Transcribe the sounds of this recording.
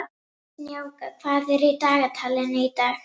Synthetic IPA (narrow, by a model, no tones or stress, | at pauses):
jaːwkʰvaðɛɾit̪aːɣat̪ʰaːlɪneit̪a